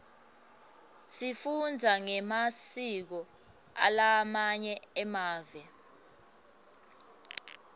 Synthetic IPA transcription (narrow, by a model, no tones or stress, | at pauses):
sifund͡zʱaŋɛmasik̬ɔ | a̰lamaɲɛɛmaːvɛ